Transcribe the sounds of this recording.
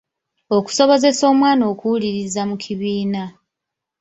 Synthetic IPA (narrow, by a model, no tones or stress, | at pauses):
o̞ku̥so̞βo̞ze̞so̞ːmwaːno̞ːkuuliɾizamukʰiβiːna